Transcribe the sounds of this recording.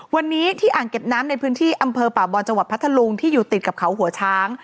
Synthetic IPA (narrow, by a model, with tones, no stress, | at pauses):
wa˧nːiː˦˥t̪ʰiː˥˩ʔaː˨˩ŋke˨˩p̚naː˦˥mna˧jpʰɯː˦˥nt̪ʰiː˥˩ʔa˧mpʰɤː˧paː˨˩bɔː˧nt͡ɕa˧ŋwa˨˩t̪̚pʰa˦˥t̪ʰːa˧lu˧ŋt̪ʰiː˥˩juː˨˩t̪i˨˩t̪̚ka˨˩p̚kʰa˩˦wɦu˨˩˦ɐt͡ɕʰaː˦˥ŋ